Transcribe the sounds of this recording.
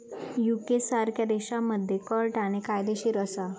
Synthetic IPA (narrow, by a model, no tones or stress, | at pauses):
jukesaɾkʰjad̪eɕaməd̪ʱjekəɾʈaɽ̃ikajd̪eɕiɾəsa